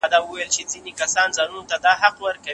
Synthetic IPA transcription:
d̪ɑwəwajlt͡ʃed͡zinekasɑnzɑnunot̪ad̪ɑɦaqwəɾka

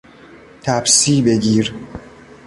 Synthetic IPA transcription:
t̪ʰæbsiːbe̞ɟiːɾ

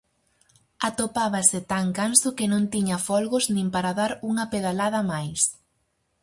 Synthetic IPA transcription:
at̪opaβasɪt̪aŋkansʊkɪnõnt̪iɲɐfɔlɣʊznĩmpaɾaðaɾuŋɐpeðalað̞ɐmajs

